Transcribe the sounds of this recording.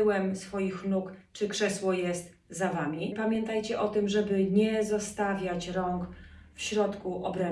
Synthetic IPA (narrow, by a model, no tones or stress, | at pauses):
wɛmsfɔjixnukt͡ʂɘkʂɛswɔjɛst̪ | zavamʲipamʲjɛnt̪ajt͡ɕɛʔɔt̪ɘmʐɛbɘɲɛzɔst̪avʲjat͡ɕɾɔŋkfɕɾɔt̪kuʔɔbɾɛ